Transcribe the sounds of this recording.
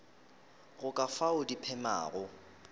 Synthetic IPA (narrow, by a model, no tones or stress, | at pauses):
ɣʊkʼafaʊdipʰɛma̰ːɣʊ